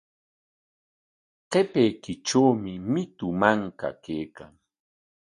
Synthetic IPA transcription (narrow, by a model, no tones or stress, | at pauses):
qepejkɪʈ͡ʂawmɪmɪt̪ʊmaŋka̰kejkaŋ